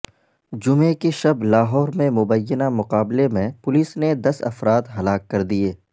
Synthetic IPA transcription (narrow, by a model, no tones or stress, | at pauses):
d͡ʒʊmẽkeʃɐblaːɦɔːɾmẽmʊbəjːənamʊqaːblemẽpʊliːsned̪ɐsɐ̰fɾaːt̪ɦɐlaːkːɐɾd̪ieː